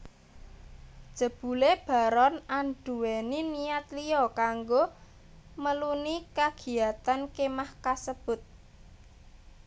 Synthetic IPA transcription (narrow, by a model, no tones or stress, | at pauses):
d̥ʒ̥ə̤b̥ṳleb̥a̤ɾɔnanɖ̥uweniniat̪liɔkaŋɡo | məlunikaɡ̥i̤jat̪ankemahkasəb̥ʊ̤t̪̚